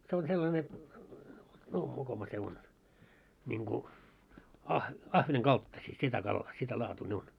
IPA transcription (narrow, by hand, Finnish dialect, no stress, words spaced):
se on selːɑne no mokomɑ se on nʲiŋku ɑh ɑhʋeneŋ kɑltːɑsiː sitæ kɑlːɑː sitæ lɑːtuː ne on